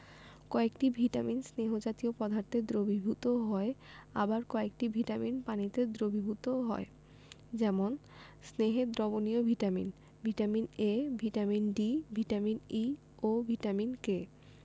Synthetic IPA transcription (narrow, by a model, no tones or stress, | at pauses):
kɔekʈibʱiʈaminsneɦod͡ʑat̪iopɔd̪ʱaɾt̪ed̪ɾobibʱut̪oɦɔea̰baɾkɔek̚ʈibʱiʈaminpanit̪ed̪ɾobʱibʱut̪oɦɔ̰e | d͡ʑɛmon | sneɦed̪ɾɔboniobʱiʈamḭn | bʱiʈaminebʱiʈaminɖibʱiʈamini | obʱiʈaminke